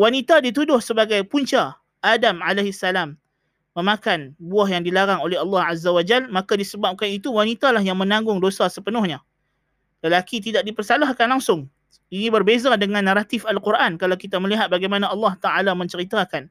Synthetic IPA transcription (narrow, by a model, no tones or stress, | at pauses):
wanit̪adit̪̬udʊhsəbaɡajpuɲt͡ʃa | ʔadamalaɦisːalamː | əmãkanbuahjaŋdilaɾaŋolɛɦɑlːɑhazːawad͡ʒalmãkadisəbap̚kanit̪uwanit̪alaɦjaŋmə̃nãŋɡʊŋdosasəpənʊhɲa | ləlakit̪̬idaʔ̚dipərsalaɦkanlaŋsʊŋ | inĩbərbezadəŋãnːaɾat̪ɪfalkurʔankalawkit̪aməliɦat̪̚baɡajmanãɑlːɑht̪aʔalamə̃ɲt͡ʃəɾit̪akan